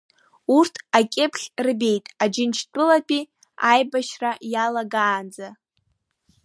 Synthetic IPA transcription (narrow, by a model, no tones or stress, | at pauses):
urtʰakʲʼɪpʰχʲrɨbe̞jtʼad͡ʒɪnt͡ʃʰtʼɨlapʼi | ajbaʃrajalaɡaːnd͡za